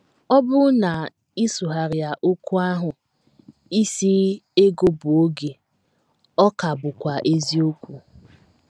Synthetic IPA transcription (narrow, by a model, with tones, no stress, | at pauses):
ɔ˦bʊ˦na˨ | i˦su˨ɦa˨ɾja˨ʔo˦ku˦a˦ɦʊ˨ | i˦si˦e˦ɡo˦bʊ˨o˦ɡe˨ | ɔ˦ka˨bʊ˨kʷa˨ʔe˦zi˦o˦kʷu˨